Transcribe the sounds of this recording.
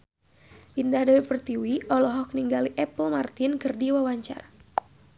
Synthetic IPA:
ʔindahdawipərt̪iwiɔlɔɦɔk̚niŋɡaliʔɛpəlmart̪inkɨrdiwawaɲt͡ʃa̰r

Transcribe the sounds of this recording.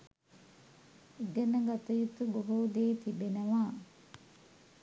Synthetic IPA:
eɡənəɡat̪ujut̪uboɦud̪eːt̪ibenəʋaː

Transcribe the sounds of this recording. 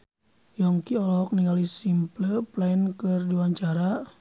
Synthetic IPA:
jɔŋkiɔlɔk̚niŋɡalisimpləplainkərdiwaɲt͡ʃaɾa

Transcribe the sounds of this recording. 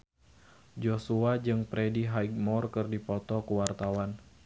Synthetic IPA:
d͡ʒosuad͡ʒɨŋpɾɛdiɦaiɡ̚mɔrkɨrdipɔt̪ɔkuwart̪awan

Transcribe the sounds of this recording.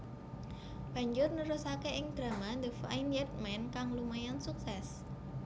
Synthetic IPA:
b̥ä̤ɲd͡ʒʊrnuɾʊsakeʔɪŋd̪̥ɾa̤mand̪əfa̰injɛt̪̚mɛnkaŋlumajɔnsuksɛs

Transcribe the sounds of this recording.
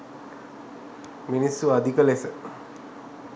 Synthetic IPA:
minisːuad̪ikəlesə

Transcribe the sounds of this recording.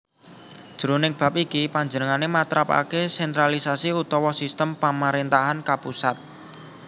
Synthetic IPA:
d̥ʒ̥əɾunɪŋb̥a̤p̚ikipaɲd͡ʒənəŋanemat̪ɾapa̰kesɛnt̪ɾalisasiut̪ɔwɔsist̪əmpamaɾent̪aɦankapusat̪̚

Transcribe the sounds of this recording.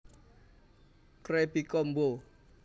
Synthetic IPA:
kɾepikɔmbo

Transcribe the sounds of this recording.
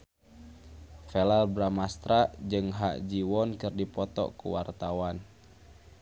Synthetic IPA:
fɛlalbɾamast̪ɾad͡ʒɨŋɦa̰ʔd͡ʒiwɔnkɨrdipɔt̪ɔ̰kṵwart̪awan

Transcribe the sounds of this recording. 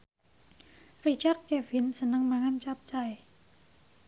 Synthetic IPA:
rit͡ʃak̚kɛvɪnsənəŋmaŋant͡ʃap̚t͡ʃaj

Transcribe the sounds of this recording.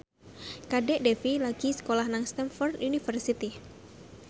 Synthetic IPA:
kadɛʔdɛfilaɡ̥isə̥kolahnaŋst̪ɛnfɔrd̪unifərsit̪i

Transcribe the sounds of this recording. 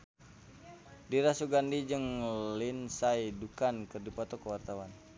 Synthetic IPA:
diɾasuɡandid͡ʒɨŋlinsajdukankɨrdipɔt̪ɔkəwart̪awan

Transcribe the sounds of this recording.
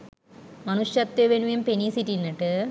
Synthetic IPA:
mɐnuʂjɐt̪ːeʋenuʋijumpenisitːinːɐʈːɨ

